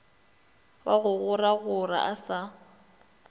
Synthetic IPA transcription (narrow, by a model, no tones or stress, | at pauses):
waɣʊɣʊraɣʊra̰ʔasa